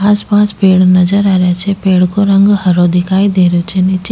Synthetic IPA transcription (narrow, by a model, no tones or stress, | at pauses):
aːspaːspeːɽnɐzəɾaːɾjat͡ʃʰepeːɽkoɾə̃ŋɡhɐɾod̪ɪkʰaːid̪eːɾjot͡ʃʰenɪt͡ʃ